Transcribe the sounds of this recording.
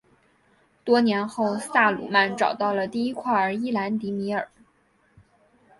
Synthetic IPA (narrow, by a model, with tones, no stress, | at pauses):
t̪wɔ˥njɛ˧˥nxo˥˧ʊsa˥˩lṵ˨˩ma˥˧nʈ͡ʂɑ˨˩ʊt̪ɑ˥˩ʊlə˩t̪i˥˩i˥kʰwa˥˩ə˞˧˥i˥˩la˧˥nt̪i˧˥mi˧˥ə̰˞˨˩˦